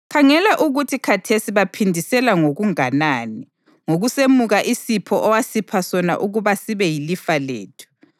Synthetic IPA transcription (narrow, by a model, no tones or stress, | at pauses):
kʰaŋɛlaʔuɣutʰikʰatʰesiβapʰindʱisɛlaŋoɣuŋanani | ŋoɣusemuɣaʔisipʰɔʔɔwasipʰasɔna̰ʔuɣuβasiβɛjilifalḛːtʰu̥